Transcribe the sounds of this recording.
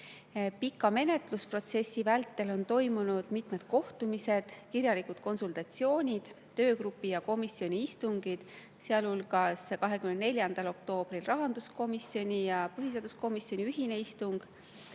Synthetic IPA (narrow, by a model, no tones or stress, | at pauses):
pikːˑɑme̞ne̞t̪ˑluspro̞t̪se̞sʲːivælt̪ːˑe̞lo̞nt̪o̞jmunud̪̥mit̪me̞d̪̥̚ko̞ht̪umise̞d̪̥kiɾjɑlikud̪̥ko̞nsult̪ɑt̪sio̞ːnʲid̪̥ | t̪ːø̞ːkɾupːˑijɑko̞misio̞nʲiist̪uŋɡ̥id̪̥ | seɑlulɡ̥ɑskɑɦe̞kymnenelʲjɑnd̪̥ɑlo̞k̚t̪o̞ːb̥rilrɑɦɑnd̪̥usko̞misjo̞nʲijɑpɤɦiseɑd̪̥usko̞misjo̞nʲiyɦine̞ist̪uŋɡ̥